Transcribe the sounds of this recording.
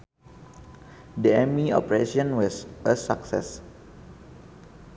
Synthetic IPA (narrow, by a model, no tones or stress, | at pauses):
diɛmiɔ̰pɹeʃɔ̃nwɔsəsaksɛ̰s